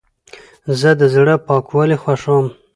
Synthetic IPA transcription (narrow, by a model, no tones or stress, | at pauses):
zəd̪əzɽəpɑkwɑlexwaʂam